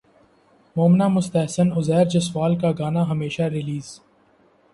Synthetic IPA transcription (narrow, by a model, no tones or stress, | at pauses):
moːmnamʊst̪əɦsənʊzɛːɾd͡ʒɐswaːlkaɡaːnaɦɐmeːʃaɾɪliːz̥